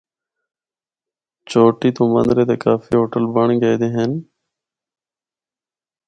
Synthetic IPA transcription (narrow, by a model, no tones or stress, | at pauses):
t͡ʃoːʈiːt̪oːmə̰nd̪ɾeːt̪eːkaːfḭːɦoːʈəlbəɳːɡəeːd̪eːɦən